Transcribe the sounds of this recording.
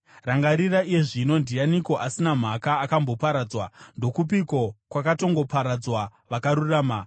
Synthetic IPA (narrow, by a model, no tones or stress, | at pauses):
raŋɡaɾiraije̞ʐino̞ndijaniko̞ʔasinam̤akaːkambo̞paɾaːd͡zwando̞kup̬iko̞kwakato̞ŋɡo̞paɾad͡zwaʋakaɾuraːma